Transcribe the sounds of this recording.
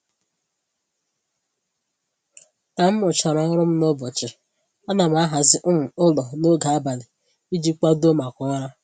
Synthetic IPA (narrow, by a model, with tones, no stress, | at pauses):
ka˨m̩˦mʊ˨t͡ʃa˨ɾa˨ɪ˦ɾʊ˦m̩˦no˦bɔ˨t͡ʃɪ˨ | a˦na˨m˨˦a˦ɦa˨zɪ˦ʔʊ˦m̩˨ʊ˦lɔ˨no˦ɡa˨a˦ba˨lɪ˨ | i˦d͡ʒi˦k͡pa˦do˦ma˨kɔ˦ɾa˦